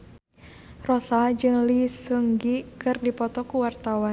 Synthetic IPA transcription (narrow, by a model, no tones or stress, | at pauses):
rɔsad͡ʒɨŋlisuŋɡikɨrdipɔt̪ɔkuwart̪awan